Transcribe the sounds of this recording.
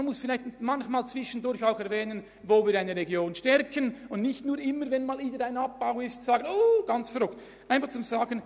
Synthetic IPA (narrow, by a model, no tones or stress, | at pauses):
anmʊsfɪlaɪçtmançmaːlt͡sv̥ɪʃən̩dʊɾçaʊxɛɐvɛːnən | voːviːɾaɪnəɾeɡjoːnʃtɛrkʰənʊndnɪçtnuːɾɪmːəvɛnmaːlviːdəɾaɪnap̚b̥aʊɪstsaːɡənoɡ̥ɑnt͡sfɛɾʊkt | ʔaɪnfɑχt͡sʊmzaːɡən